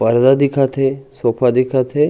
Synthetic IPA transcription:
pɐɾd̪ad̪ɪkʰat̪ʰesoːpʰad̪ɪkʰat̪ʰe

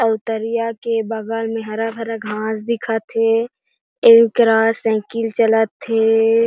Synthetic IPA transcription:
əʊt̪əɾijakebəɡalmeɦɾabʱəɾəɡʱãːsd̪ɪkʰat̪ʰːe | eːkɾasɛ̃ːkilt͡ʃələt̪ʰːe

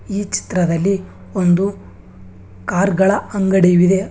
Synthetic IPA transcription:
iːt͡ʃi̥t̪ɾɐd̪ɐlːi | o̞nd̪u | kaːɾɡɐɭɐɐŋɡɐɽejuʋid̪e̞

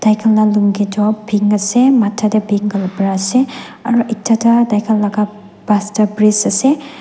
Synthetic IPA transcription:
d̥ajkʰɐlnaluŋɡedɔbiŋɐsematʰːadɐbʱiŋɡɐlbɾaseɐ̰ɾuʔitʰːadɐdajkʰɐlːɐɡa | b̥astɐbɾisɐse

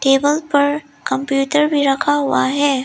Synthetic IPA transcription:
ʈeːbəlpɐɾ | kɐ̃mpjuːʈəɾbʱiɾɐkʰaɦʊa̰ɦɛː

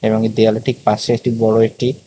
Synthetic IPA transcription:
ebɔŋed̪ialeʈik̚paʃeet̪ibɔɽoek̚ʈi

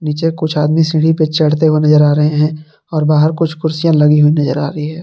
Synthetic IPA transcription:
niːt͡ʃekʊt͡ʃʰaːd̪misɪ̃ɽ̤ipet͡ʃɐɽ̤t̪eɦuenɐzəɾaːɾɐɦẽɦɛ̃ː | ɔːɾbaːɦəɾkʊt͡ʃʰkʊɾsijãlɐɡiɦʊinɐzəɾa̰ːɾəɦiɦɛː

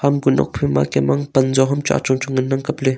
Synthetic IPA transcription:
hamɡunʔɔ̰k̚pʰima̰kɛmɐŋpɐnzɔɦɐmt͡ʃa̰ːʔt͡ʃɔŋt͡ʃʊŋɪnːɐŋkɐple

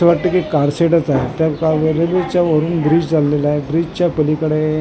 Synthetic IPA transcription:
əʋaʈːəkikaɾseʈət͡saɦet̪jakaʋɾelet͡ɕjaʋəɾuːnbɾiːd͡ʑd͡zʱalːelaɦebɾiːd͡ʑt͡ɕjapəlikəɽe

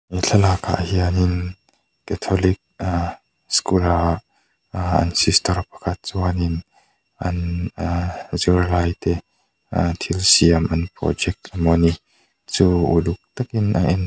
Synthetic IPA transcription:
miɬʰɐlaka̰ʔəhianin | kɛt̪ʰɔlik̚a | skula | ɐ̰nsist̪ɐrpɐ̥kʰɐt̪̚t͡suanin | ʔɐ̰n | zirlajt̪ɛ | t̪ʰilsiɐmʔɐnprɔ̰d͡ʒɛk̚t̪mɔni | t͡suːṵduk̚t̪akinʔa̰ʔɛn

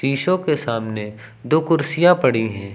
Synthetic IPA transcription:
iːʃõkesaːmne | d̪oːkʊɾsijapɐɽiɦɛ̃ː

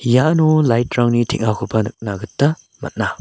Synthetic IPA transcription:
janulajtɾaŋnitʰik̚akʰupɐnɯk̚naɡɯtːɐ | mɐ̰t̚na

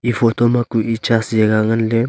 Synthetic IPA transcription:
ifot̪omakuit͡ʃasjeɡaŋənle

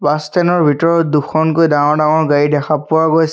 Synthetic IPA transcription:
bastɛnɔɹbʱitɔɹɔtduxʰɔnkojdaŋɔdaŋɔɹɡaidɛxʰapʊaɡoj

